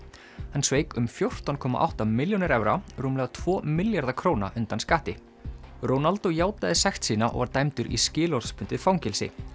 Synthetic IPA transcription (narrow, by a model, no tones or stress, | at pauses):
hansveːjkʏmfjowr̥t̪awnkʰɔːma̰ʔa̰wht̪amɪljonɪɾɛvɾaɾuːmlɛɣat̪ʰv̥ɔːmɪljaɾðakʰɾoːwna̰ʔʏnt̪anskaːht̪ɪ | ɾownalt̪ojaːwt̪aðɪsɛxt̪siːnaʔɔ̰ɣvaɾt̪ajmt̪ʏɾḭscɪːlɔɾspʰʏnt̪ɪfawŋcɛlsɪ̰